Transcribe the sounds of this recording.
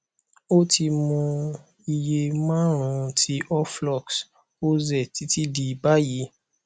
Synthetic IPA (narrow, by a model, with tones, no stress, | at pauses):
o˦ti˧mɔ̃˧ | i˧je˧mãː˦ɾ̃ũ˧tʰi˦ʔɔ˦flɔ˦˨ks | o˦zɛ˦˨ti˧˦ti˦di˧ba˦ji˨˦